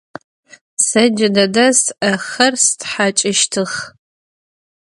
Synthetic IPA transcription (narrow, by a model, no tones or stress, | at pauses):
sɐd͡ʒadɐdɐsaχɐrstħat͡ʃʼɪʃtʰɨχ